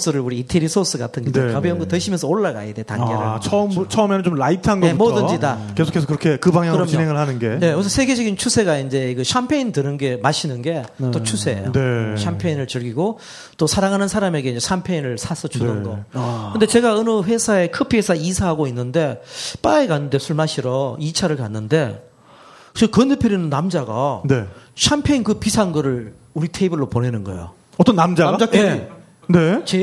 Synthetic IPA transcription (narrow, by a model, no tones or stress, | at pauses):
s͈ɯɾɯɭuɾiitʰeɾisʰos͈ɯɡatʰɯnɡedokʌbiʌŋɡotɯɕʰimjʌnsʰʌoɭːaɡa̰jedeta̰ŋɡeɾaʌmt͡ɕʰʌɯmenɯnt͡ɕomlaitʰanɡʌeumʌdɯd͡ʑidakesʰo̥kʰesokɯɾʌkʰe̞kɯbaŋɦjaŋɯɾʌmɲioɦeŋɯɭhanɯnɡe̞je̞ʌs̬ʰʌsʰe̞ɡe̞d͡ʑʌɡint͡ɕʰusʰe̞ɡaind͡ʑe̞kɯɕʰampʰeintɯnɯnɡe̞maɕʰinɯnɡe̞t͈ot͡ɕʰusʰe̞̰neɕʰampʰeinɯɭt͡ɕɯɭɡiɡo | t͈osʰaɾaŋɦanɯnsʰaɾame̞ɡe̞ind͡ʑeɕʰampʰeinɯɭsʰasʰʌt͡ɕʰunɯnɡʌkʰɯndet͡ɕe̞ɡaɯnɯɸwe̞sʰae̞kʰɯpʰiwesʰaisʰaɦaɡoinːɯnde̞p͈aekanːɯnde̞sʰuɭmaɕʰiɾʌit͡ɕʰaɾɯɭkanːɯnde̞ | t͡ɕɯkɯnɯpʰjeɾinɯnːamd͡ʑaɡa̰neɕʰampʰeinkɯpisʰaŋɡɯɾɯɭ | uɾitʰeibɯɭːoponenɯnɡʌ̰ḛjo̰ | ʌt͈ʌnːamd͡ʑaɡae | net͡ɕe